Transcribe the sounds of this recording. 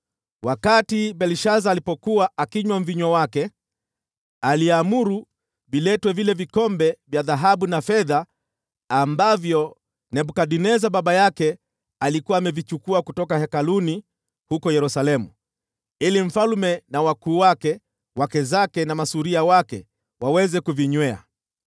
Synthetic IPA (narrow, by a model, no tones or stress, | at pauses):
wakatibɛliʃazaːlipɔkuwaʔakiɲwam̩viɲwawakɛ | aliamuɾu | vilɛtwɛvilɛvikɔmbɛvjaðaɦaɓunafɛðaː | mbavjɔ | nɛɓukaɗinɛzaɓaɓajakɛ | alikuwaːmɛvit͡ʃukuakutɔkahɛkaluni | hukɔjɛɾusalɛmu | ilim̩falmɛnawakuːwakɛ | wakɛzakɛnamasuɾiawakɛ | wawɛzɛkuviɲwɛa̰